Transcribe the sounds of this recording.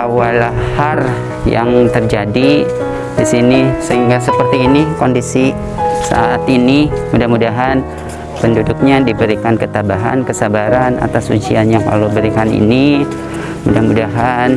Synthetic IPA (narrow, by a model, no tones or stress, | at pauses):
awalahar | ja̰ŋt̪ərd͡ʒadi | disinisəɦiŋɡasəpərt̪iːnikɔndisi | sa̰ʔat̪inimudahmudaɦan | pəndudʊk̚ɲadibəɾikankət̪abaɦa̰nkəsabaɾana̰t̪asud͡ʒianjaŋla̰lobəɾikanḭni | mudahmudaɦan